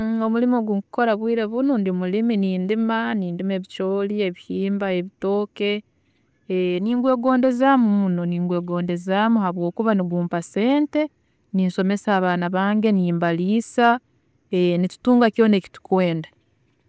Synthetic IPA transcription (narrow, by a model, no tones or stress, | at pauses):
o̞mulimoɡuŋkuko̞ɾaβwiːɾeβunundimuliminiːndimaniːndimeːβit͡ʃo̞ːlie̞βihiːmbae̞βito̞ːke̞ | niːŋɡwe̞ːɡo̞ːnde̞zamumunoniːŋɡwe̞ːɡo̞ːnde̞zamuhaβwo̞ːkuβaniɡuːmpase̞ːnte̞ | ninso̞me̞saːβaːnaβaːŋɡe̞niːmbaliːsa | enitu̥tuːŋɡakjo̞ːneːki̥tu̥kweːnda